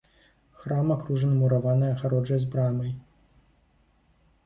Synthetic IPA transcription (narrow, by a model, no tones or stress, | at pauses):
xɾamakɾuʐɐnɨmuɾavanɨjɐɣaɾɔd͡ʐɐjzʲbɾamɐj